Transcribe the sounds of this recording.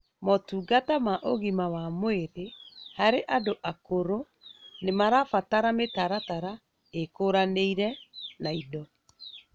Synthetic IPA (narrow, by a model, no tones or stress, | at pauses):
motuːɡatamaʔoɣimawamweɾehaɾeʔadoʔakoɾo | nemaɾafataɾametaɾataɾa | ekoɾaneiɾɛnaidɔ